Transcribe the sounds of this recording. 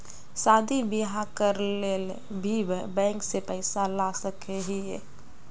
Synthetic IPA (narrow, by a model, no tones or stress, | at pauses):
sad̪ʱibiɦakəɾlel | bʱibbɛ̃ŋksepəɪsalasəkʰeɦiɛ